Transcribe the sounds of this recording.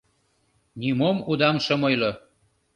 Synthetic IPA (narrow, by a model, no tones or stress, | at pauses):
nimomud̪ɑmʃə̆mojlo